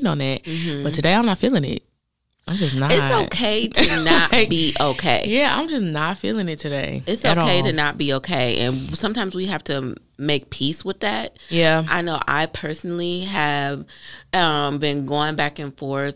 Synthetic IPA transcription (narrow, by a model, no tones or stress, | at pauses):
nə̰̃nɪt̚m̩m̥m̩̥ʌttʰɨdeɪãɪ̃nətfilˠɪ̃ŋɪ̰t̚ | ãɪ̃md͡ʒʌsnəɪtsoʊkʰeɪtɨnət̚b̥iʔoʊkʰeɪjæã̰ɪ̃md͡ʒʌsnətfḭlˠɪ̃ŋɨtʰɨdeɪɨtsoʊɾkeɪɾɨnət̚b̥ioʊkʰeɪʔɨ̰̃nsʌ̃mtʰãɪ̃mzwiɦæftʰɨ | meɪk̚pʰiswəðæt̚jæʔa̰ɪnoʊʔa̰ɪpʰɜ˞sn̩l̩ˠiɨv̥ʌ̃mbɨ̃nɡoʊɪ̃ŋbækɨ̃nfɔɹθ